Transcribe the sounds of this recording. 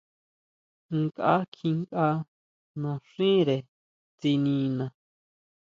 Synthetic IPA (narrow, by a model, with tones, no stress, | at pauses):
ŋ˦kʼa̰˦kʰĩ˧ŋkʼa˦ | nõ˨ʂĩ˦ɾe˨ | t͡si˧nĩ˧nã˨